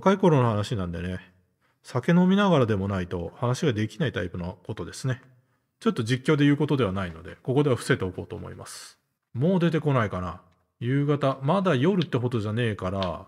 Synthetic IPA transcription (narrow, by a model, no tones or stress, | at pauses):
kaiko̞ɾo̞nohanaɕinãnd̪e̞ne̞ | sake̞no̞mʲinaɡaɾad̪e̞mo̞nait̪o̞̰hanaɕiɡad̪e̞kʲinait̪aipɯ̟noko̞t̪o̞d̪e̞sɨne̞ | t͡ɕo̞t̪ːo̞d͡ʑikʲːo̞ːd̪e̞jɯ̟ːko̞t̪o̞d̪e̞β̞anaino̞d̪e̞̰ko̞ko̞d̪eβaɸɯ̥se̞t̪e̞o̞ko̞̰ːt̪o̞̰ːmo̰ḭma̰sɨ̥ | mo̞ːd̪e̞t̪e̞ko̞naikana | jɯ̟ːɡat̪amad̪ajo̞ɾɯ̟t̪ːe̞ɦo̞d̪o̞ʑane̞ːkaɾa̰